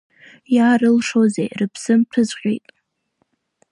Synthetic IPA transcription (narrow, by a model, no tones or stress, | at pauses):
jaːrɨlʂozḛjrɨpʰsɨmtʰɨzqʲʼejtʼ